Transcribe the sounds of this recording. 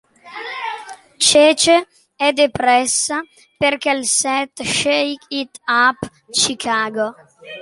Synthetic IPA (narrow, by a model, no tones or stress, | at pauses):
t͡ʃɛːt͡ʃe | ɛd̪epɾɛsːa | perkɛlsɛt̪ʃejkit̪ap | t͡ʃikʰaːɡo